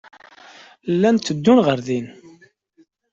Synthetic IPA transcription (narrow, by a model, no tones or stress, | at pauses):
lːænt̪ːəd̪ːunʁəɾðin